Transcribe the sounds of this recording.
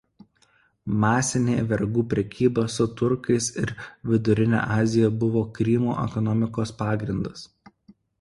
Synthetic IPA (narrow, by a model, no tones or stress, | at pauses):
mɑːsʲɪnʲeːʋʲɛɾɡuːpʲɾʲɛkʲiːbɐːsʊt̪ʊɾkɐɪsɪɾʋʲɪd̪ʊɾʲɪnʲɛ̰ːʔɑːzʲɪjɛbʊʋoːkɾʲimṵʔɛ̰kɔnɔmʲɪkoːspɑːɡɾʲɪnd̪ɐs